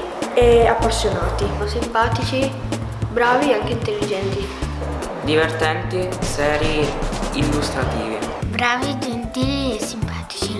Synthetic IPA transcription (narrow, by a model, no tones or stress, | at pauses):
ɛapːasːjonaːt̪iosimpaːt̪it͡ʃi | bɾaːvieaŋk̟eint̪elːid͡ʒɛnt̪i | d̪ivert̪ɛnt̪isɛːɾjeilːust̪ɾat̪iːvḭbɾaːvid͡ʒent̪iːliesːimpaːt̪i̥t͡ʃi